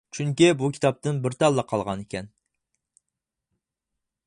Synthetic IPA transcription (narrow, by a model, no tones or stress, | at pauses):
t͡ʃʰyŋkʲibukʲʰi̥t̪ʰɑp̚t̪ʰɨnbɪɾt̪ʰɑlˠːəqʰɑlˠʁɑnekʲʰɛn